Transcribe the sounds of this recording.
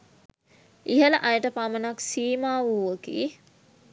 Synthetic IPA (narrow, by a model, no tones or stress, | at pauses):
iɦələʔajəʈəpamənaksiːmaːʋuːʋəkḭː